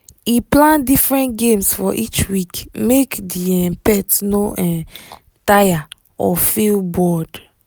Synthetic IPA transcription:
iplãndifɹɛ̃ntɡẽmsfɔʔit͡ʃwikmekdiɛ̃pɛtnoʔɛ̃ | taja | ɔfilbɔd

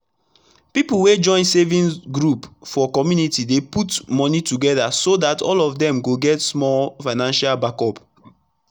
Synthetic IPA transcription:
pipul̩wed͡ʒɔ̃ɪ̃nsevĩnsɡɹupfɔkɔmjunitideputmɔnituɡɛdasodatɔ̰lɔfdɛ̃mɡoɡɛtsmɔlfaɪnãnʃalbakɔp

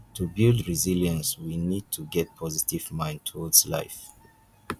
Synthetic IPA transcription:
tʰubildɹiziljə̃nswinid̚tʰuɡɛt̚pʰɔzitivmãɪ̃ntʰodsla̰ɪf

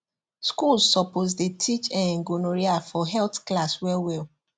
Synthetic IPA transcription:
skulzsɔpoz̬detʰit͡ʃɛ̃nŋ̩ɡonoɾiafɔɦɛlθklaswɛwɛ

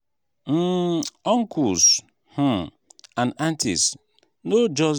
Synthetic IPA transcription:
m̩ɔŋ̩kus | hʊ̃ | ãnantḭs | nod͡ʒɔ

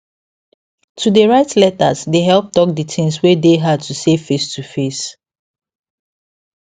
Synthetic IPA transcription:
tʰudeɹaɪtlɛta̰sdeɦɛlˠp̚tɔk̚dətʰɪ̃ŋswedeɦad̚tusefestʰufes

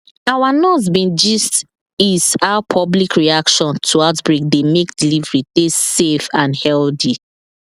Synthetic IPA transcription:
awanɔs̬bĩnd͡ʒist | isaʊpʰɔblikʰɹiakʃɔ̃ntʰuaʊtbɹik̚demekdilivɹidesefãnhɛldi

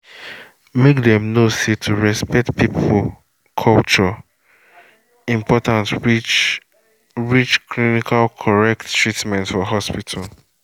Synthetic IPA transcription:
mekdɛ̃mnosetʰuɹɛspɛk̚tpipʰu | kʰɔlt͡ʃɔ | ĩmpɔtãnt | ɹit͡ʃkʰɹinikʰalkʰɔɹɛk̚ttːɹitmɛ̃ntfɔɦɔspitʰal

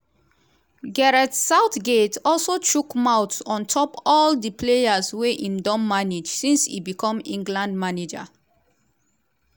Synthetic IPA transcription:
ɡɛɹɛtsaʊtɡetɔlsot͡ʃukmaʊtsɔ̃ntʰɔpɔldəpʰlejazweʔĩmdɔ̃nmaned͡ʒsĩnsḭbikʰɔ̃mḭ̃ŋɡlãnd̚maned͡ʒa̰

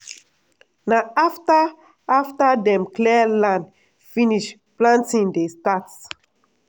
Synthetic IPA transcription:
naafta | aftadɛ̃mklɛlãnd | fĩniʃ | plãntĩŋdestats

